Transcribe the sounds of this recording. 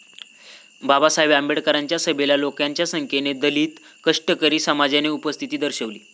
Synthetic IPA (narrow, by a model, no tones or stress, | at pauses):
babasaɦeʋambeɽkəɾaɲt͡ɕjasəbelalokjaɲt͡ɕjasəŋkʰened̪əliːt̪ | kəʂʈəkəɾiːsəmad͡ʑaneupəst̪ʰit̪iːd̪əɾɕəʋliː